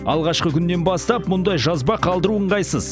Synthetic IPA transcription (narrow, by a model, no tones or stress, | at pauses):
ɑ̰lˠʁɑʃqəkʲʰʏnːe̞nbɑst̪ɑpmʊnd̪ɑjʒɑzbɑqʰɑlˠd̪əɾuəɴʁɑjsəz̥